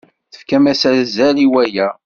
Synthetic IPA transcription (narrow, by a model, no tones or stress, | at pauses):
θə̥fkæmæsæɾzæliwæjæ